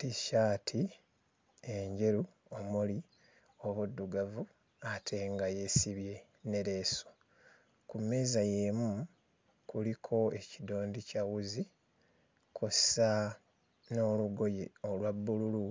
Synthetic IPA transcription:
tiʃaːtʰi | e̞ɲɟe̞ɾu | omuli | oβudːuɡavu | atʰe̞ːŋɡaje̞siβje̞ | ne̞ɾe̞so | kumːe̞zaje̞mu | kulikʰo̞e̞cido̞ːndicawuzi | kʰossa | no̞ːluɡo̞jeolwabːululu

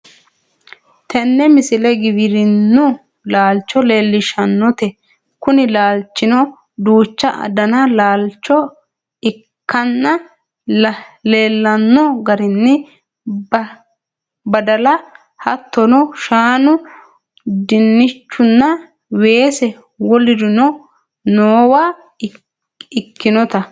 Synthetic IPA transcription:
t̪ɛnːɛmɪsɪlɛɡɪβɪɾɪnːʊ | laːlt͡ʃːɔleːlːɪʃɐnːɔt̪ɛ | kʊnɪlaːlt͡ʃːɪnɔ | d̪uːt͡ʃːɐʔɐ̰d̪ɐnɐlaːlt͡ʃːɔ | ɪ | kːɐnːɐ | leːlːɐnːɔɡɐɾɪnːɛ | bɐd̪ɐlɐ | hɐt̪ːɔnɔʃaːnʊ | d̪ɪnːɪt͡ʃːʊnːɐ | we̞ːsɛ | wɔlɪd̪ɪnɔ | noːwaː | ɪkːɪnɔt̪ɐ

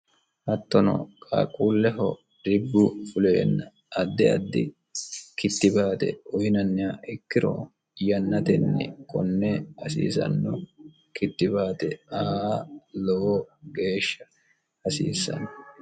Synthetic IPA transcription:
hɐt̪ːɔnɔ̰kʼa̰ːkʼuːlːɛɦɔ | d̪ɪbːʊfʊleːnːɐ | ɐd̪ːɪɐd̪ːɪ | kɪt̪ːɪbaːt̪ɛ̰ɔjɪnɐnːɪaʔɪkːɪɾɔ̰ | jɐnːɐt̪ɛnːɛ̰kʼɔnːɛhɐsḭːsɐ̰nːɔ | kɪt̪ːɪbaːt̪ɛaːlɔwɔɡe̞ːʃːɐ | hɐsḭːsːɐ̰n

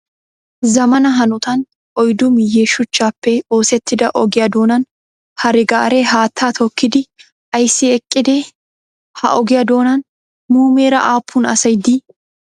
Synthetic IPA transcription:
zɐmɐnɐɦɐnʊt̪ɐn | ʔɔjd̪ʊmɪjeːʃʊt͡ʃːaːpːɛoːsɛt̪ːɪd̪ɐʔɔɡɪjɐd̪o̞ːnɐn | hɐɾɪɡaːɾeɦaːt̪ʰːaːt̪ʰɔkːɪd̪ɪ | ɐjsːɪɛkʼːɪd̪eː | hɐ̰ʔɔɡɪjɐd̪o̞ːnɐn | muːmeːɾɐʔaːpʰːʊnɐ̰sɐjd̪i

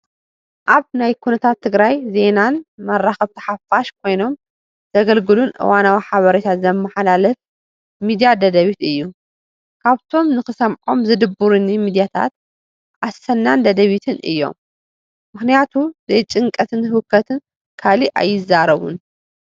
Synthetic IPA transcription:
ʔaβnajkʰunɐt̪ʰat̪ʰːɨɡɾajze̞nanmɐrːaxɐβt̪ʰɐ̥ħafaʃk̚ʰo̞jno̞m | z̥ɐɡɐlɡɨlunʔɨ̰wanawiħaβɐɾet̪ʰat̪zɐmːɐħalalɐf | mid̪ijad̪ɐd̪ɐβit̪ɨjːu | kʰaβt̪ʰo̞mnɨxɨsɐmʕo̞mzɨd̪ɨbːuɾɨnimid̪ijat̪ʰa̰t̪̚ | ʔasɐnːand̪ɐd̪ɐβit̪ʰɨnʔɨ̰jːo̞̰m | mɨxnijat̪ʰuzɐjt͡ʃʼɨŋkʼɐt̪ʰɨnhhɨkʰːɐt̪ʰɨn | kʰaliʔa̰jːɪzːaɾɐβṵn

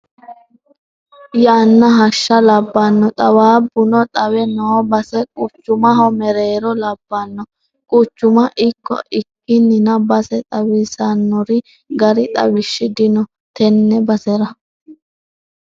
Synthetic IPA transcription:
jaːnːɐɦɐʃːɐlɐbːɐnːɔt̪ʼɐwaːbʊnɔt̪ʼɐwɛnɔːbɐsɛkʼʊt͡ʃːʊmɐɦɔmɛɾeːɾɔlɐbːɐnːɔ | kʼʊt͡ʃːʊmɐʔɪkːɔ̰ʔɪkːɪnːɪnɐbɐsɛt̪ʼɐwɪsɐnːɔɾɪ | ɡɐɾɪt̪ʼɐ̰wɪʃːɪd̪ɪnɔ | t̪ɛnːɛbɐsɛɾɐ

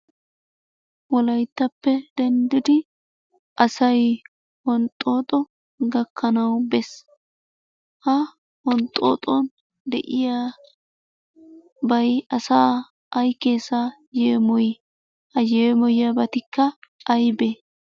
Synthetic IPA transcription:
wɔlɐjt̪ːɐpːɛd̪ɛnd̪ɪd̪ɪ | ʔɐsɐj | hɔnt̪ʼːo̞ːt̪ʼɔ | ɡɐkːɐnɐwbɛs | hɐ | wɔnt̪ʼːo̰ːt̪ʼɔn | d̪ɛʔɪja | bɐjɐsaː | ɐjkːeːsa | jeːmɔj | hɐjeːmɔjɐbɐt̪ɪkːɐːjbeː

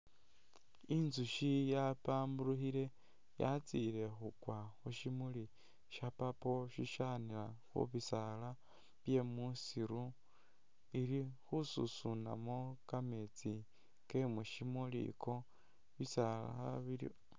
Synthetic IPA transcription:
inzuʃijapaːmbuluxiɾe̞ | ja̰t͡sile̞xukwaxuʃimuli | ʃapapo̞ʃiʃanilaxṵβisala | βje̞musiɾu | iɾixusṵsuna̰mokamet͡si | ke̞muʃimulḭkʰo | βisala̰ha̰βiɾḭ

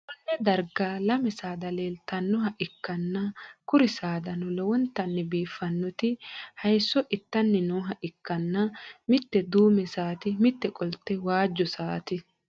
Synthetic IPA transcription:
ʔʊnːɛd̪ɐɾɡaːlɐmɛsaːd̪ɐleːlt̪ɐnːɔɦɐʔɪkːɐnːɐkʊɾɪsaːd̪ɐnɔlɔwɔnt̪ːɐnːɛbiːfːɐnːɔt̪ɪhɐjsːɔʔɪt̪ːɐnːɛnɔːɦɐʔɪkːɐnːɐmɪt̪ːɛd̪uːmɛsaːt̪ɪmɪt̪ːɛkʼɔlt̪ːɛwaːd͡ʒːɔsaːt̪ɪ

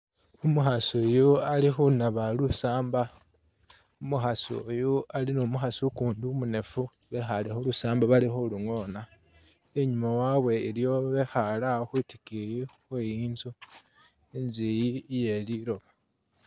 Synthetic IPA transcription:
umuxasojoalixunaβalusaːmba | umuxasojualinumuxasukuːndumune̞fu | βe̞xalixolusaːmbaβalixoluŋo̞na | eɲumawaβwe̞iljo̞βe̞xalaxwuti̥kijixwejiːnzu | enzijije̞liɾo̞βa

